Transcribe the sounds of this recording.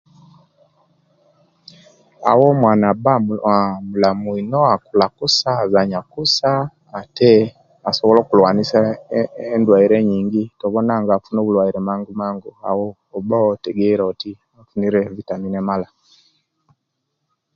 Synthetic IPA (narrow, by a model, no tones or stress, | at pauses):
a̰wɔmwanabaamulamuinɔakulakusazaɲakusaː | tɛ | asɔβɔlɔkulwanisaɛndwaiɾɛɲiːŋɡitɔβɔnaŋɡafunoβulwaiɾɛmaːŋɡumaːŋɡua̰wɔː | baɔtɛɡɛɾɔti | afuniɾɛvitaninɛmala